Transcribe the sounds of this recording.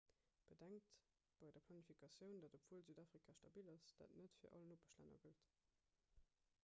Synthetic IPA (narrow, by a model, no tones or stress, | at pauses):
b̥ədæŋk̚t | b̥ɑɪdɐpʰlɑnifikʰɑsjəʊndɑtəpfuəlzyːdaːfʁ̥ikʰaʃtɑbiːlɑsd̥a̰tnətfiːɐʔɑ̰lənopəʃlæ̰nɐ̰ɡəlt